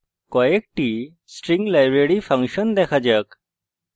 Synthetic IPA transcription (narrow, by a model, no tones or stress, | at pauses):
koek̚ʈi | sʈɾĩŋɡlajbɾeɽifʰɐ̃ŋkɕənd̪ekʰad͡ʑək